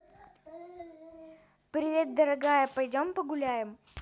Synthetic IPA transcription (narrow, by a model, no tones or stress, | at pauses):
pɾʲɪvʲe̞t̪̚d̪əɾɐɡajəpɐjdʲompəɡʊlʲæjɪm